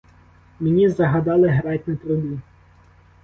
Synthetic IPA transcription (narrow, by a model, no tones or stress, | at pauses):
menʲizɐɦɐd̪ɑlˠɪɦɾɑtʲnɐt̪ɾʊbʲi